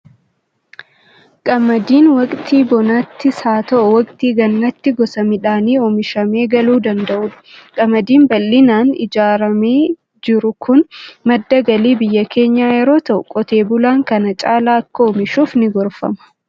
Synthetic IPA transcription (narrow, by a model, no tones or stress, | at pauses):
kʼɐmːɐd̪iːnwɐkʼt̪ʰiːbɔnaːt̪ːɪsaːt̪ɐʔɔwɐkʼt̪iːɡɐnːɐt̪ːɪɡɔsɐmɪᶑaːniːɔmɪʃɐme̞ːɡɐluːd̪ɐnd̪ɐʔʊːᶑɐ̥kʼɐmɐd̪iːmbɐlːɪnaːnɪ̰d͡ʒaːɾɐme̞ː | d͡ʒɪɾʊkʰʊnmɐd̪ːɐɡɐliːbɪjːɐkʰe̞ːɲːaːjɛɾo̞ːt̪ɐʔʊkʼɔt̪e̞ːbʊlaːŋkɐnɐt͡ʃʼaːlaːɐkːɐɔmɪʃuːfnɪɡɔɾfɐ̰mɐ̥